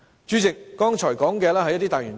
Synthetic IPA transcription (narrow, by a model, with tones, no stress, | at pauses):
t͡ʃyː˨˥t͡sɪ˨k̚ːɔː˥ŋt͡ʃʰɔː˨˩jkɔː˨˥ŋkɛː˧lɛː˥hɐ˨jːɐ˥t̪iː˥t̪aː˨jyː˨˩n